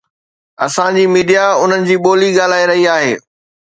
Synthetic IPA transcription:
ɐ̰sãd͡ʑiːmiːɖijaʊn̤ənɪ̆d͡ʑiːɓoːliɠaːl̤aːiɾɐɦiaːɦḛː

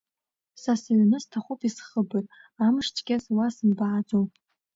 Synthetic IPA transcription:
sasaɥnɨstʰaχʷupʰisχəbɨtʼ | amʂt͡ʃʼɡʲazwasɨmbaʕad͡zo

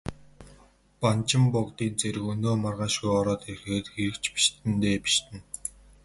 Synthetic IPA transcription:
pant͡ɕɪ̆mpʊkt̪iːnt͡seɾɘ̆ɣɵnoːmarʁaːʃɣujɔɾɔːt̪erxeːt̪xeɾɘ̆kt͡ɕpi̥ʃt̪ɘ̆nt̪eːpi̥ʃt̪ɘ̆n

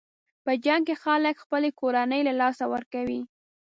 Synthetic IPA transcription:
pəd͡ʒaŋɡ̚kexaləkxpəlekoɾanəjlalɑsawəɾkawi

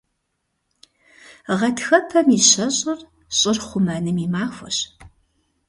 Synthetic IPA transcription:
ʁɐtʰxɐpʰɐmiɕɐɕʼɪr | ɕʼɪrχʷʊmɐnɨmimaːxʷɐɕ

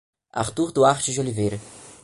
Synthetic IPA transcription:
a̰ɾt̪uɾd̪uaɾt͡ʃɪzd͡ʒolivejɾɐ

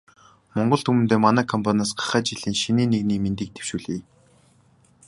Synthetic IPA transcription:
mɔɴɢɞ̆ɬt̪ʰumɘ̆nt̪eːmanæːkʰɔmpʰanʲaːsɢḁχæːt͡ɕiɮ̥iːŋʃiniːnːeɣniːment̪iːk̚t̪ʰe̥w̥ʃuːɮiː

